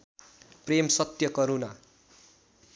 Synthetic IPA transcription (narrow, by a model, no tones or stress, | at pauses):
premsʌt̪jʌkʌɾuna